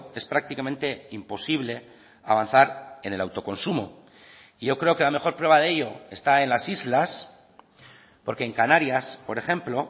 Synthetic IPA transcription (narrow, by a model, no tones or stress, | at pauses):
e̞spɾak̚t̪ikamẽ̞nt̪e̞impo̞siβ̞le̞ | a̰β̞an̟θaɾe̞ne̞lawt̪o̞ko̞nsumo̰ | iʝo̞kɾe̞o̞ke̞lame̞xo̞ɾpɾwe̞βaðe̞ʎo̞e̞st̪ae̞nlasizlas | po̞ɾke̞ːŋkanaɾjaspo̞ɾe̞xe̞mplo̞